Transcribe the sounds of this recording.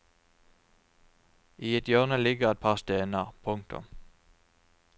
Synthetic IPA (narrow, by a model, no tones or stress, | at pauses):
ʔiːɛt̪jœːʁnəlɪɡəʁɛt̪̚pʰɑːʁst̪eːnəʁpʰʊŋt̪ʰʊ̰m